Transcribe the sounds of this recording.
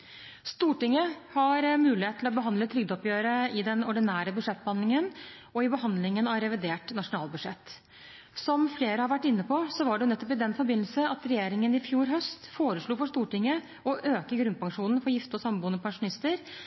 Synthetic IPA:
st̪uːʈɪŋːəhɑɾmʉːlɪheːt̪lɔbəɦɑnd̪lət̪ʰɾʏɡ̚d̪ɔpjøːɾəɪd̪ɛnɔɖɪnæːɾəbʉd̪ʂɛt̪̚ːbəhɑnd̪lɪŋən | ɔɪbəɦɑnd̪lɪŋənɑɾɛʋɪd̪eːʈnɑʂʊnɑːlbʉd̪ʂɛt̪ː | sɔmfleːɾəhɑɾʋæʈːɪnːəpʰɔsɔʋɑɖɛʊnɛt̪ːɔpɪd̪ɛnfɔɾbɪnl̩səɑt̪ɾɛjeːɾɪŋənɪfjuːɾɦœst̪foːɾəʂɭuːfɔʂt̪uːʈɪŋːə | ɔʔøːkəɾɡɾʉnpɑŋʂuːnn̩fɔɾjɪft̪ɔsɑmbuːənɔpʰɑŋʂʊnɪst̪əɾ

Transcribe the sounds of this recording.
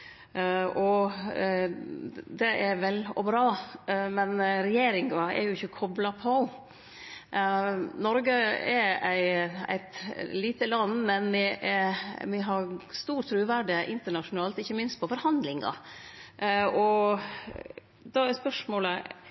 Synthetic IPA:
ɔ | d̪ɛʔɛɾʋɛlɔ̰bɾɑːmɛnɾɛjeːɾɪŋɡɑɛ̰ɾjʊɪçːəkʰɔblɑpʰɔ | nɔɾɡəɛɾæɪæ̰ɪt̪liːt̪əlɑnːmɛnʋɪʔɛɾʋɪɦɑɾst̪uːɾt̪ʰːɾʉːʋæɖəʔɪnt̪əɳɑʂʊnɑːlt̪ɪçːəmɪnst̪̚pʰɔfɔɾhɑnd̪lɪŋɑ̰ | ʔɔ | d̪ɑɛɾspœʂmoːlə

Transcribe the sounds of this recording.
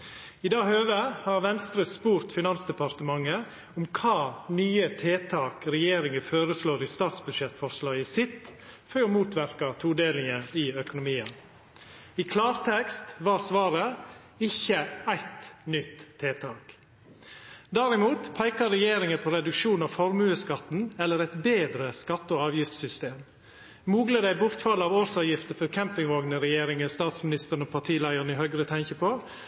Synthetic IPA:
ɪd̪ɑːhøːʋəhɑɾʋɛnst̪ɾəspuːɾt̪fɪnɑnsd̪ɛpɑɾt̪əmɑŋːə | ʊmkʰɑːnyːət̪ʰeːt̪ʰɑːkɾɛjeːɾɪŋəføːɾəsloːɾɪst̪ɑːt̪sbʉd̪ʃɛt̪fɔɾʂlɑːɡɪsɪt̪føɾmuːt̪ʰʋæɾkɑt̪ʰuːd̪eːlɪŋəɪœkʊnʊmiːən | ɪkʰlɑːɾt̪ʰɛkst̪ʋɑːsʋɑːɾə | ɪçːəæɪt̪nʏt̪ʰːeːt̪ʰɑːk | d̪æɾɪmuːt̪pʰæɪkɑɾɛjeːɾɪŋəpʰoːɾɛd̪ʉkʃuːnɑʋfɔɾmʉːəskɑt̪n̩ɛlːəɾɛt̪beːd̪ɾəskɑt̪ːəɔɑːʋjɪft̪sʏst̪eːm | muːɡləd̪æɪbʊɾt̪fɑlːɑːʋoɾsɑːʋjɪft̪əfɔɾkʰɛmpɪŋʋɔɡnəɾɛjeːɾɪŋəst̪ɑːt̪smɪnɪst̪əɾn̩ɔpʰɑʈʰiːlɑɪɔnɪhœɡɾət̪ʰɛŋçəpʰoː

